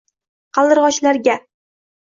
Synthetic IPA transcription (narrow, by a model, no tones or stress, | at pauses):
qʰɑlˠd̪ɨɾʁɒt͡ʃlaɾɡʲa